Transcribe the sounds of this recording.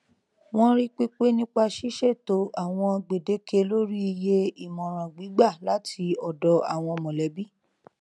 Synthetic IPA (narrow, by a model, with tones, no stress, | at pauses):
w̃ɔ̃˦ɾi˦k͡pi˦k͡pe˦nĩ˦k͡pa˧ʃi˦ʃɛ˦˨to˨˦ʔa˨w̃ɔ̃˧ɡ͡be˨de˨˦kʰe˧lo˦ɾi˦i˧je˧i˨mɔ̃˨ɾ̃ã˨ɡ͡bi˨˦ɡ͡ba˦˨la˨˦tʰi˧ɔ˨dɔ˧a˨w̃ɔ̃˧mɔ̃˨lɛ˨˦bi˦